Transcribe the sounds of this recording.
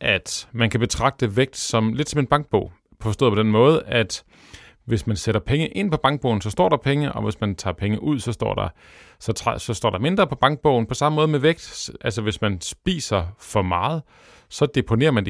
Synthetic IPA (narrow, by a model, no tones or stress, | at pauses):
ʔæd̥mænkʰæb̥e̝t͡sʰʁɑ̈ɡ̥̚d̥əʋeɡ̥̚d̥sɒ̽mle̝d̥sɒ̽me̝nb̥ɑ̈ŋɡ̥̚b̥ɔ̰̽ʊ̰ | pʰɒsd̥ɔ̰ð̩ˠpʰɒ̥̽enmɔ̽ːð̞̩ˠəæd̥ | ʋe̝smænseɾ̥ɐpʰeŋəʔe̝n̰pʰɒ̽b̥ɑ̈ŋɡ̥̚b̥ɔ̰ʊ̰n̩sɒ̽sd̥ɒ̰ːɾ̥ɑ̈pʰeŋəʔɒ̽ʋe̝smænt͡sʰɑ̰̈ːpʰeŋəʔuð̞̰ˠsɒ̽sd̥ɒ̰ːd̥ɑ̈ | sɒ̽t͡sʰɑ̰sɒ̽sd̥ɒ̰ːdɑ̈me̝nd̥ʁɐpʰɒ̽b̥ɑ̈ŋɡ̥̚b̥ɔ̽ʊ̰n̩pʰɒ̽sɑ̈məmɔ̽ːð̞̩ˠmeʋeɡ̥̚d̥ʔælsɐʋe̝smænsb̥ḭːsɐfɒ̽mɑ̈ːð̞̩ˠ | sɒ̽d̥e̝pʰo̝ne̝̰ɐmænd